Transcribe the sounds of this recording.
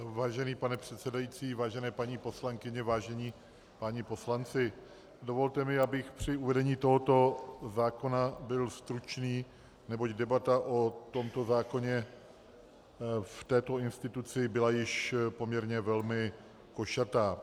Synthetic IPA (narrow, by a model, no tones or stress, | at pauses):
vaːʒɛniːpanɛpr̝̥ɛt̪sɛdajit͡siːvaːʒɛnɛːpaɲiːpo̞slaŋkɪɲɛvaːʒɛɲiː | paɲɪpo̞slant͡sɪ | do̞vo̞lt̪ɛmɪabɪxpr̝̥ɪuvɛdɛɲiːt̪o̞ɦo̞t̪o̞zaːko̞nabɪlst̪ɾut͡ʃniː | nɛbo̞ɟdɛbat̪aʔot̪o̞mt̪o̞zaːko̞ɲɛ | ft̪ɛːt̪o̞ɪnst̪ɪt̪ut͡sɪbɪlajɪʃpo̞mɲɛɾɲɛvɛlmɪ | ko̞ʃat̪aː